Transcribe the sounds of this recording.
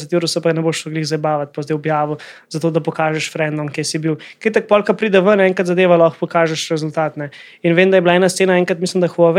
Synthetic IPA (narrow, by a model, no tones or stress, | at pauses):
sɛt̪juɾɔsɛpaknɛboʃɔɡliɣzɐbaːʋɐt̪̚pɔzd̪ɛjɔbjaːʋɔzat̪oːd̪ɐpɔkaːʒɛʃfɾɛnd̪ɔmkjesibiwket̪ak̚pɔlkɐpɾiːd̪ɛʋənɛŋkat̪zɐd̪eːʋalɔxpɔkaːʒɛʃɾɛzʊlt̪aːt̪nɛ | inʋeːmd̪ajɛblaɛːnast̪seːnaɛːŋkɾat̪mislimd̪ɐxɔʋ